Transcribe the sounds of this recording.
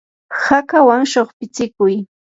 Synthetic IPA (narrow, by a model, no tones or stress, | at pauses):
hakawaŋʃoχpɪt͡sɪkʊj